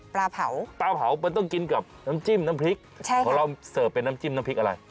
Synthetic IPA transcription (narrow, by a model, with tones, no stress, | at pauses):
plaː˧pʰa˨˩˦wplaː˧pʰa˩˦wpəː˧nt̪ɔ˥˩ŋki˧nka˨˩p̚naː˦˥mt͡ɕiː˥˩mnaː˧˥mpʰli˦˥k̚t͡ɕʰa˥˩kɔː˨˦lɔ˧wsɤː˨˩p̚pe˧naː˦˥mt͡ɕiː˥˩mna˦˥pʰi˦k̚ʔa˧ɾa̰˧j